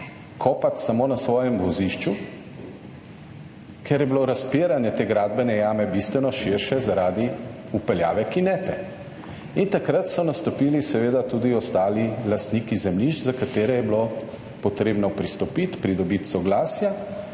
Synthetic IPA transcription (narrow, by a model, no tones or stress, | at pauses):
kʰɔːpat̪samoːnasʋɔːjɛmʋɔziʃt͡ʃu | kʰɛɾjɛbloɾaspeɾanjɛt̪eːɡɾaːd̪̚bɛnɛjaːmɛbist̪ʋɛnɔʃiɾʃɛzaɾaːd̪i | upɛlja̰ːʋɛkinɛːt̪ɛ | int̪akɾat̪sɔnast̪ɔpilisɛʋeːd̪at̪uːd̪iɔst̪aːlilast̪niːkizɛmliʃt͡ʃzakat̪eːɾɛjɛblo | pɔt̪ɾeːbnɔpɾist̪ɔpit̪pɾid̪ɔbit̪sɔɡlaːsja